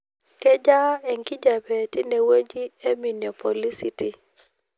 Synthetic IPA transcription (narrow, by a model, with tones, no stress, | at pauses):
kɛ˦d͡ʒa˦e˨ŋɡi˦d͡ʒa˨bɛ˨ti˦ne˨wo˦d͡ʒi˦e˦mi˨no˨po˨li˦si˦ti˨